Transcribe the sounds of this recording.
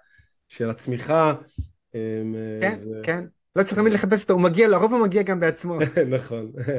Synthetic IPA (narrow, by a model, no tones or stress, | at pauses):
ʃelat͡smiχa | emkenken | lott͡saʁiχt̪amid̪le̞χap̬e̞s̬ot̪oumaɡialaʁovumaɡiaɡambeat͡smo̞naχo̞n